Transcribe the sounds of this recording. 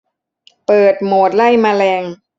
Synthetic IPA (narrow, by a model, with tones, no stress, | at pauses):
pɤː˨˩t̪̚moː˨˩t̪̚la˥˩jmaː˧lɛː˧ŋ